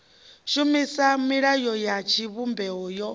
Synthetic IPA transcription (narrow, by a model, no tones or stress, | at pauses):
ʃumisamiɺajɔjat͡ʃʰiβumbɛɦɔjɔ